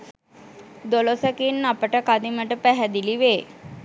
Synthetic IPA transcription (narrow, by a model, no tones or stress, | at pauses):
d̪olosəkinapəʈəkad̪iməʈəpæɦæd̪iliʋeː